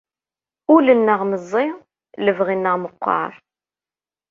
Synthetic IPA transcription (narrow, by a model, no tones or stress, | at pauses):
ʊlənːəʁməzˤːɪ | ləvʁinːəʁməqːɑ̰ɾˤ